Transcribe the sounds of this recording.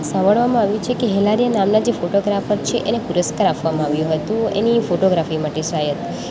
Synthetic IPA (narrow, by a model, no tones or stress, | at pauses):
sãmbəɭʋamãaʋjũt͡ʃʰekeɦɛlaɾijanamnad͡ʒefoʈoɡɾafəɾt͡ʃʰeʔenepuɾəskaɾapʋamãaʋjũɦət̪ũḛnifoʈoɡɾafimaʈesɾajət̪